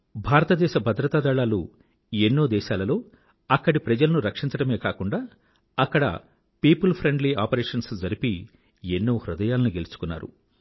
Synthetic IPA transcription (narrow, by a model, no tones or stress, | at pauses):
bʱaːɾɐt̪ɐd̪ɛːʃɐbʱɐd̪ɾɐt̪aːd̪ɐɭaːlu | enːoːd̪ɛːʃaːlɐlo̞ː | ɐkːɐɽipɾɐd͡ʒɐlɐnuɾɐkʂiɲt͡ʃɐɽɐme̞ːkaːkuɳɖaː | ɐkːɐɽɐ̰ | piːpɐlpʰɾeɳɖlia̰ːpɐɾeːʂɐnsd͡ʒɐɾipi | enːoːhɾud̪ɐjaːlɐnuɡe̞lut͡ʃu̥kunːa̰ːɾṵ